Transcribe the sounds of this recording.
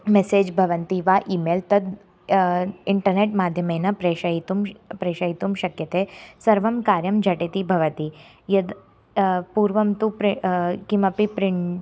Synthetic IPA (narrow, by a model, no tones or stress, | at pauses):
meseːd͡ʒbʱɐʋɐnt̪iʋaːʔiːmeːlt̪ɐd̪ | ɪɳʈɐɾneːʈmaːd̪ʱjɐmeːnɐpɾeːʃɐit̪umpɾeːʃɐɦit̪umʃɐkjɐt̪eːsɐɾʋɐmkaːɾjɐmd͡ʒʱɐʈit̪ibʱɐʋɐt̪i | jɐd̪ | puːɾʋɐmt̪upɾkimɐpipɾɪɳ